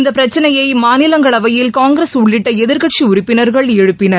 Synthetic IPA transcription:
nd̪ɐpːɪɾɐt͡ʃːɐnɐjɐɪmaːnɪlɐŋɡɐɭɐʋɐjɪlkaːŋɡɾesʊɭːɪʈːɐɛðɪɾɣɐʈʂiʊɾʊpːɪnɐɾɣɐɭɛɻɯpːɪnɐɾ

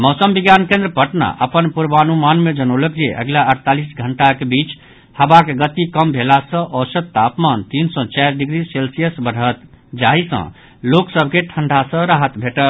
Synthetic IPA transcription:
mɔʊsəmbiɡjankẽnd̪ɾəpəʈna̰ʔəpənpuɾbanumanmed͡ʒənolək̚d͡ʒeʔə̰ɡlaəɾt̪alisɡʱəɳʈakebit͡ʃ | həbakeɡət̪ikəmbʱelasə̃ʔɔsət̪ːapmant̪insɔ̃t͡ʃajɾɖiɡɾiselsijəsbəɽ̤ʱət̪ | d͡ʒaɦisə̰̃ | loksəbʱkeʈʰəɳɖʱasə̃ɾaɦət̪bʱeʈəl

